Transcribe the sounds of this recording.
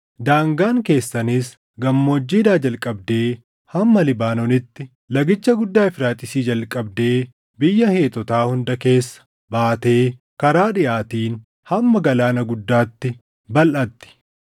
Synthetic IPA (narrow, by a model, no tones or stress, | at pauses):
d̪aːŋɡaːŋke̞ːsːɐnɪs | ɡɐmːo̞ːd͡ʒːiːd̪aːd͡ʒɐlkʼɐbd̪e̞ː | hɐmːɐlɪbaːnɔnɪt̪ːɪ | lɐɡɪt͡ʃːɐɡʊd̪ːaːɪfɾaːt̪ʼɪsiːd͡ʒɐlkʼːɐbd̪e̞ː | bɪjːɐhe̞ːt̪ɔt̪aːhʊnd̪ɐke̞ːsːɐ̥ | baːt̪e̞ː | kɐɾaːᶑɪʔaːt̪iːn | hɐmːɐɡɐlaːnɐɡʊd̪ːaːt̪ːɪ | bɐlʔɐt̪ːɪ̥